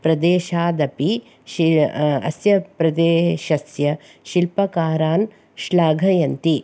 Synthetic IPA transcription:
pɾɐd̪eːʃaːd̪ɐpi | ʃiɐ̰sjɐpɾɐd̪eːʃɐsjɐ | ʃilpɐkaːɾaːn | ʃlaːɡʱɐjɐnt̪i

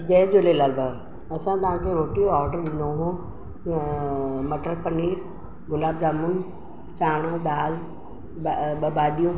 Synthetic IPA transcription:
d͡ʑɐd͡ʑolelaːlba | ɐsãt̪ɐʋãkʰeɾoːʈijoaːɾɖəɾɗɪ̃nd̪oɦũ | mɐʈəɾpɐni | ɡʊlaːbzaːmʊn | t͡ɕaːɽ̃od̪aːl | ɓɐbaːɗ̪ijũ

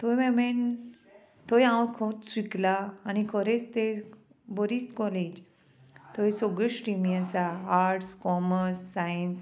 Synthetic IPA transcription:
t̪ojmɛmen | t̪ojãwkʰot̪swiklaːnikʰəɾet͡st̪e | bɔɾist̪kɔled͡ʑ | t̪ʰojsoɡiɕʈɾimiasaːɾʈskɔməɾsːajəns

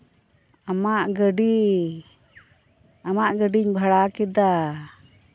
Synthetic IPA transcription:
amaʔɡəɖi | amaʔɡəɖiɲbʱaɽakid̪a

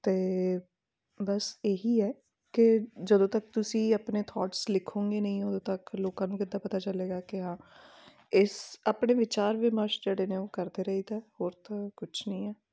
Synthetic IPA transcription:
t̪eː | bəseːɦiːɛː | kɪd͡ʒəd̪õːt̪ək̚t̪ʊsĩːapneːt̪ʰɔːʈslɪkʰːõːŋɡeːnəĩːod̪õːt̪əkloːkãːnũːkɪd̪ːãːpət̪aːt͡ʃəleːɡaːkɪɦãː | ɪsaːpɳeːʋɪt͡ʃaːɾʋɪməɾʃd͡ʒeːɽeːnẽːoːkəɾd̪eːɾəiːt̪ɛːhoːɾt̪akʊt͡ʃʰnəĩːɛː

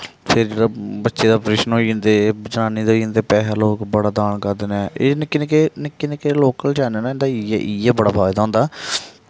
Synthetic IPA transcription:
pʰɪɾbətːʃeːd̪aːpɾeːʃənɦoːĩːnd̪eːd͡ʒənaːniːd̪oːĩnd̪eːpɛːɦaːloːkbəɽaːd̪aːnkəɾd̪ɪnɛːeːnɪkːinẽkenɪkːinekeloːkəld͡ʒɛːnənãɪnd̪aːiʔiːɛːbəɽaːpʰaːjd̪aːɦʊ̃ːnd̪aː

